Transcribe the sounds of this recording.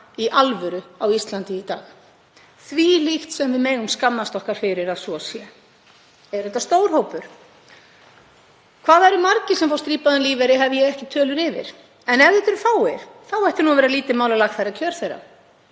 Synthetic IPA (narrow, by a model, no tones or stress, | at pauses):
iʔalvʏɾʏawist̪lant̪ɪit̪a̰ːx | θvilixt̪sɛmvɪðmeːɣʏmskamːast̪ɔhkaɾ̥fɪɾɪɾaðsɔsjɛ | ɛɾ̥θɛht̪ːast̪oːwɾ̥ɦoːwpʏɾ̥ | kʰvaːðaɛɾʏmaɾcɪsɛmfawst̪ɾiːpaðʏnliːvɛɾɪɦɛvɪjɛɣɛhcɪt̪ʰœːlʏɾɪvɪ̰ɾ̥ | ɛnɛvðɛt̪ʏɾθawɛɾ̥θawɛjht̪ɪnuavɛɾaliːt̪ɪmaːwlalaxt̪θajɾacʰœɾ̥θejra̰